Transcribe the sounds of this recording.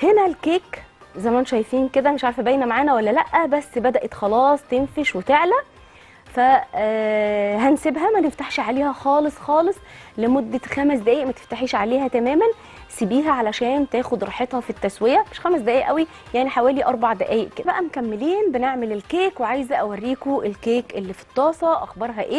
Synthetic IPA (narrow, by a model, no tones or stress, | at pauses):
henælkeːk | zæmænʃæjfiːnked̪æmeʃʕaɾfæbæjnæmaʕaːnæwælːælæʔːæbæsːbæd̪æʔet̪xɑlɑːsˤt̪enfeʃwefeʕlæ | fæ | ɦænsebɦæmæneft̪aħʃʕaleːhæxɑːlesˤxɑːlesˤlemod̪ːæxæmæs̬d̪æʔæːiʔmæt̪e̥ft̪aħeːʃʕaleːhæt̪æmæːmæn | sibiːɦæʕalæʃæːnt̪æːxod̪ɾˤɑːħet̪ˤhɑfit̪ːæswejæmeʃxæmæs̬d̪æʔæːʔæwi | jaʕniħawæːliʔɑɾˤbɑʕd̪æʔæːjeʔkːed̪æbæʔæmokæmːeliːnbeneʕmelelkeːkweʕajzæʔæwærːiːkoʔelkeːkʔelːifi̥t̪ˤːɑːsˤɑʔæ̰xbɑɾˤɦɑʔeː